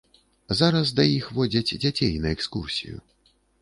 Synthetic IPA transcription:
zaɾɐsd̪ɐjixvɔd͡zʲɐd͡zʲd͡zʲat͡sʲejnɐɛkskursʲḭjṵ

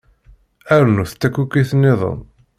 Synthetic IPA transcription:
æɾnuθt̪ːækːukːiθnːɪðˤə̰m

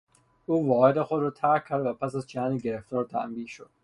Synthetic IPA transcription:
ʔuːvɒːhed̪exo̞d̪ɾɒːt̪ʰæɾcʲʰːæɾd̪væpʰæsæzd͡ʒæhæːniɟe̞ɾeft̪ɒːɾt̪ʰæ̰ʔmbiːʃod̪̥

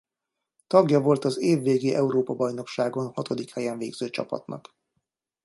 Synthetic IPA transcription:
t̪ɒɡjɒvo̞lt̪ɒzeːvːeːɡeːʔɛuɾoːpɒbɒjno̞kʃaːɡo̞nhɒt̪o̞d̪ikhɛjɛɱveːɡz̥øːt͡ʃɒ̰pɒ̰t̪nɒ̰k

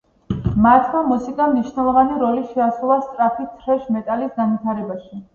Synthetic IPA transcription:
mat̪ʰmamusikʼamniʃnɛlˠɔvaniɾɔliʃɛasulˠast̪sʼɾapʰit̪ʰɾɛʃmɛt̪ʼalisɡanvwit̪ʰaɾɛbaʃi

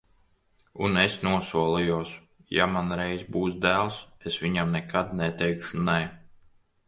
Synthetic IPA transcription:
unesnuɔsuɔlˠijus | jamanɾɛjzbuːsd̪æːlˠsesʋiɲamnɛkʰad̪̚nɛt̪ɛjkʃunɛ

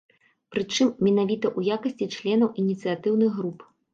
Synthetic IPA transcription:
pɾɨt͡ʂɨmːʲɛnavʲit̪ɐʔujakɐsʲt͡sʲit͡ʂlʲɛnɐwʔinʲit̪sɨjat̪ɨwnɨɣɣɾup

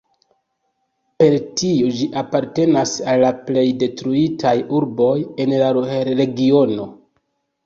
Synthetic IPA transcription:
pe̞ɾtiod͡ʒiʔapaɾte̞nasalːaple̞jde̞tɾuitʰajuɾbo̞je̞nlaɾe̞ɡio̞no̞

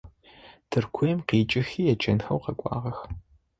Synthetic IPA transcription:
tʰɨrkʷʰojmqiːt͡ʃʼɪxiːjɛt͡ʃʰʼɐnxɐwqɐkʷʼɑ̰ːʁɐx

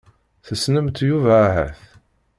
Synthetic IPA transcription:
θəsnəmt̪juvæɦæ̰θ

